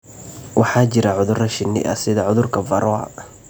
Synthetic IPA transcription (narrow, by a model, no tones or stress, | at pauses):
wɑħɑːt͡ʃɪɾɐʕʊðʊrɐʃɪnːɪ̰ʔɐ̰sɪðɐʕʊðʊrkʰɐvɐɾʔɔ̰